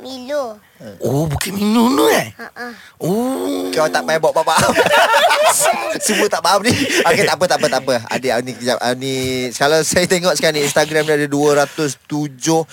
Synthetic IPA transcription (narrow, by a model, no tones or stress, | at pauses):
minʊ | əobukanminunoaaokalat̪aʔmajbaʔbaʔbaam | səbət̪aʔbaamniaket̪aʔpət̪aʔpət̪aʔpəa̰dəanikəd͡ʒaanisəkalawsajət̪eŋɔʔsəkaniinst̪aɡɾamniadəduəɾat̪ʊst̪ud͡ʒʊh